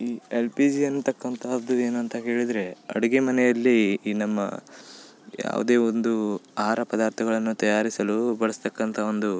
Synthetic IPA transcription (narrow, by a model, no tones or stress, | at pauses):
iːelpid͡ʒiɐnːut̪ɐkːɐnt̪ʰaːd̪ue̞ːnuɐnt̪ɐɦe̞ːɭid̪ɾe̞ɐ̰ɽɐɡemɐnɛjɐlːiːnɐmːɐ̰ | ja̰ːʋṵd̪e̞ːond̪uaɾɐpɐd̪aːɾt̪ʰɐɡɐɭɐnːut̪ɐjaːɾisɐlubɐɭɐst̪ɐkːɐnt̪ʰɐo̞nd̪u